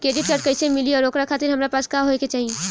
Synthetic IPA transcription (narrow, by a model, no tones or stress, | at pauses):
kɾeːd͡ʒɪʈkaːɾʈkɐɪsemɪliɔːɾoːkɾakʰaːt̪ɪɾɦɐmɾapaːskaːɦoːeket͡ʃaːɦie